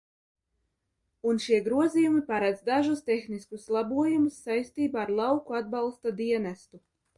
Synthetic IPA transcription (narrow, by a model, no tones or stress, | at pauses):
unʃiɛɡɾuɔzijumipaɾad̪zd̪aʒust̪exniskuslˠabuɔjumusːajst̪iːbaːɾlˠɑwkuad̪̚bɑlˠst̪ad̪iɛnæst̪u